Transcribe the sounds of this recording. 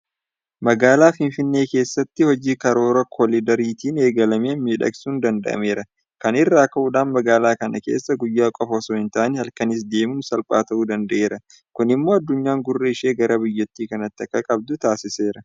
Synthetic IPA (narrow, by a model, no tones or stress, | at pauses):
mɐɡaːlaːfɪnfɪnːeːke̞ːsːɐt̪ːɪhɔd͡ʒiːkɐɾo̞ːɾɐkʰɔlɪd̪ɐɾiːt̪iːne̞ːɡɐlɐmeːnmiːᶑɐ̰ksuːnd̪ɐnd̪ɐ̰ʔɐ̰me̞ːɾɐ | kɐnɪrːaːkɐʔʊᶑaːnmɐɡaːlaːkɐnɐke̞̰ːsːɐɡʊjːaːkʼɔfɐsoːhɪnt̪aːʔnɛhɐlkɐnɪs̬d̪e̞ːmuːnsɐlpʼa̰ːt̪ɐʔuːd̪ɐnd̪ɐʔe̞ːɾɐ | kʊnɪmːo̞ːɐd̪ːʊɲːaːŋɡʊrːeɪʃeːɡɐɾɐbɪjːɔt̪ːiːkɐnɐt̪ːɪɐkːɐkʼɐb̚d̪ʊt̪aːsɪse̞ːɾɐ